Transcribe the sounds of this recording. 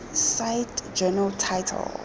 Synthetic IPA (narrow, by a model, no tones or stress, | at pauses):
sajtd͡ʒɛnaltʰajtʰɛ̰l